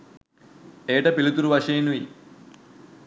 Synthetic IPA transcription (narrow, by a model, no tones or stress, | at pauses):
eːʈɐpilut̪uɾuʋɐʂeːnui